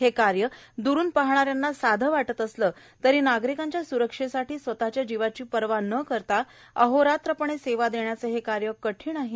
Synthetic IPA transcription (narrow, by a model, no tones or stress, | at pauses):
ɦekaɾjəd̪uɾuːnpaɦɳ̃aɾjanːasad̪ʱəʋaʈət̪əsləː | t̪əɾiːnaɡɾikaɲt͡ɕjasuɾəkʂesaʈʰiːsʋət̪at͡ɕjad͡ʑiʋat͡ɕiːpəɾʋanəkəɾt̪a | əɦoɾat̪ɾəpəɳ̃eseʋad̪eɳjat͡səɦekaɾjəkəʈʰiːnaɦi